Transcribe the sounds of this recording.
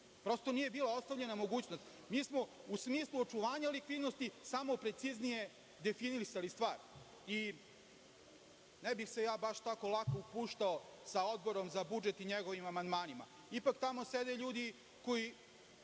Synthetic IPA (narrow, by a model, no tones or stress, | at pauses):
pɾo̞st̪o̞nije̞biːlˠao̞st̪aʋʎe̞namo̞ɡuːt͡ɕnost̪ | miːsmo̞usmiːslˠuot͡ʃuʋaːɲalikʋid̪nost̪isamo̞pɾe̞t̪siznije̞ | d̪e̞finiɾisalist̪ʋaːɾ | i | nebixse̞jaːbaʃt̪ako̞lˠakoupuːʃt̪aosao̞d̪̚bo̞ɾo̞mzabud͡ʒet̪iɲeɡoʋimamand̪maːnima̰ | ipakt̪amo̞sed̪eʎuːd̪i | ko̞i